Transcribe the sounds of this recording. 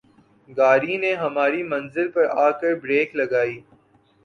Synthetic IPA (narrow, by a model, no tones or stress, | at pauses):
ɡaːɾineɦɐmaːɾimɐ̃nzɪlpɐɾaːkɐɾbɾeːklɐɡaːiː